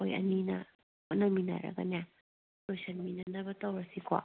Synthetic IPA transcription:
ojɐ̰nina | onamina̰ɾa̰ɡa̰nea | tojsanminanabɐtawɾasikwa̰

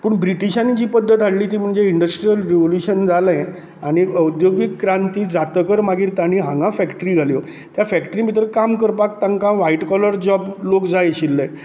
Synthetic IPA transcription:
puːɳbɾiʈiɕanit͡ɕiːpəd̪ʱːət̪aɽliːt̪iːm̤əɳd͡zeiɳɖəsʈɾijəlɾeʋoljuɕənd͡zalẽ | aɽ̃iəwd̪joɡikːɾant̪iːd͡zat̪əkəɾmaɡʱiːɾt̪aɽ̃iɦãŋɡãfɛkʈəɾiɡʱaljo | t̪jafækʈəɾiːmit̪̬ɾəkamkəɾpak̚t̪ãŋkãʋaiʈkɔləɾd͡ʑɔblokd͡zajɕilːə

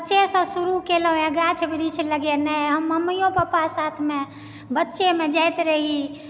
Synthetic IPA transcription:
bəːʃesə̃suɾukeləɦjãɡat͡ʃʰbiɾit͡ʃʰləɡenəɦəmːəmijõpəpasat̪ʰme | bətːʃemed͡ʒajt̪ɾəɦi

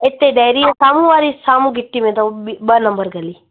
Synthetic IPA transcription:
et̪ːeɖajɾiãsaːmũʋaːɾisaːmũɡʱɪʈːimẽt̪oibənɐmbəɾɡɐli

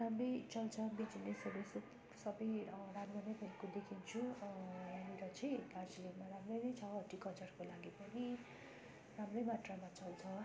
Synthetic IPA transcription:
ramrʌjt͡sʌlt͡sʰʌbid͡zinesʌbʌjsu | sʌbʌjramrʌnʌjbʱʌikod̪ekʰint͡sʰu | amiɾʌt͡sʰʌj̃dard͡zilimaɾamrʌjnʌjt͡sʰʌʌʈikʌt͡sʌrkolaɡipʌni | ramrʌjmaʈramat͡sʌlt͡sʰʌ

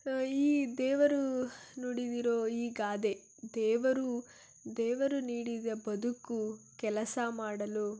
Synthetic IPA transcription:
iːd̪ɛːʋɐɾunoɽid̪iɾoːiːɡaːd̪e̞ | d̪ɛːʋɐɾu | d̪ɛːʋɐɾuniːɽid̪ɐbɐd̪ukːukɛlɐsɐmaːɽɐlu

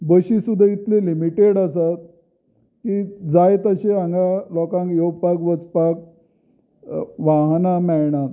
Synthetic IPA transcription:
bəɕisud̪ʱait̪lelimiʈeɽasat̪̚ | kid͡zajt̪əɕeãŋɡalɔkãŋkjoɡpakʋət͡spak̚ | ʋaɦnamɛɭɳa

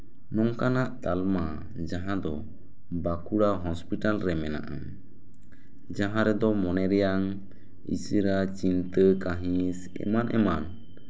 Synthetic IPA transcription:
nɔŋkanaʔt̪alma | d͡ʒaɦãd̪ɔ | bakuɽaɦɔspiʈalɾɛmɛna̰ʔa̰ | d͡ʒaɦãɾɛd̪ɔmɔnɛɾɛjaŋ | ḭsəɾat͡ʃint̪əkaɦĩs | ɛ̰manʔɛ̰man

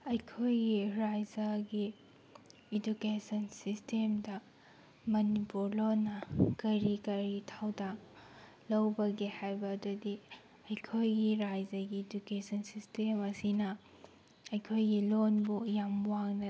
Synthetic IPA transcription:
ɐjkʰojɡiɾajd͡ʒɐɡiː | dukesɐnsistʰemdɐ | mɐnipuɾlonːɐkɐɾikɐɾitʰawdaŋ | lɐwbɐɡehajbɐːdudi | ɐjkʰojɡiɾajd͡ʒɐɡiːd͡ʒukesɐnsistemɐsinɐ | ɐjkʰojɡilonbujamwaŋnɐ

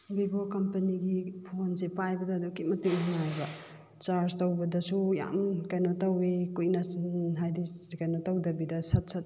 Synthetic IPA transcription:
bibokɐmpɐniɡipʰonsepajbɐdɐːdukimɐtiŋɦunajbɐ | t͡ʃaɾstɐwbɐdɐsuja̰mkɐjnotɐwikujnɐɦajdikɐjnotɐwdɐbidɐsɐt̚sʰɐt̚

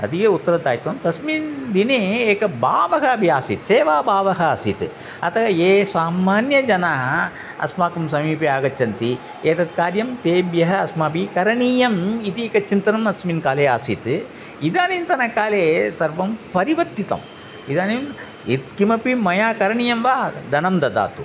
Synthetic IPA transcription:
ɐ̰d̪ikeːut̪ːɐɾɐd̪aːjt̪omt̪ɐsmiːnd̪ineːeːkɐbaːʋɐɦɐɐbʱijaːsit̪seːʋaːbaːʋɐɦɐaːsit̪ɨ | ɐt̪ɐɐeːsaːmaːnjɐd͡ʒɐnaːɦɐ | ɐ̰smaːkɐms̬ɐmiːpiaːɡɐt͡ʃːɐnt̪i | eːt̪ɐt̪̚kaːɾjɐmt̪eːbjɐɦɐɐsmaːpikɐɾɐɳiːjɐmit̪ieːkɐt͡ʃint̪ɐnɐmɐsminkaːleːaːsit̪ | id̪aːnint̪ɐnɐkaːleːsɐɾʋɐmpɐɾiʋɐt̪ːit̪ɐ̰m | id̪aːnim | it̪kimɐpimɐjaːkɐɾɐɳijɐmʋaːd̪ɐnɐmd̪ɐd̪a̰ːt̪u

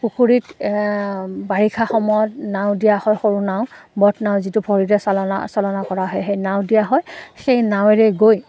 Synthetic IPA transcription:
pukʰuɹit | baɹikʰaxɔmɔjɔt̚nawdijahɔjxoɹunaʊ̃bɔtʰnaʊ̃zitubʰʱɔɹiɹɛsalɔna̰sɔlɔnakɔɹaɦɔjxejnaw̃dijaɦɔjxejnaw̃ɛɹɛɡoj

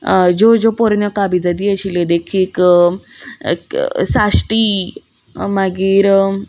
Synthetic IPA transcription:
d͡zod͡zopoɾnəkabid͡zad̪iəɕiled̪ekʰiːk | sasʈiː | maɡiːɾ

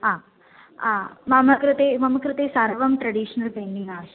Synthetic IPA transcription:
aː | aːmɐmɐkɾɨt̪eːmɐmɐkɾɨt̪eːsɐɾɐʋɐmʈɾɐɖiːʂɐnɐlpeːɳɖiŋɡaːʋʃɐ

